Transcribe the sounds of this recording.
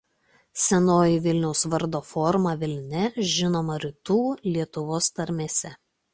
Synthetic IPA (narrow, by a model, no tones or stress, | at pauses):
sʲɛnoːjiʋʲɪlʲnʲɛʊsʋɐɾd̪oːfɔɾmɑʋʲɪlʲnʲɛʒʲɪnoːmɐɾʲɪt̪uːlʲiɛt̪ʊʋoːst̪ɐɾʲmʲeːsʲɛ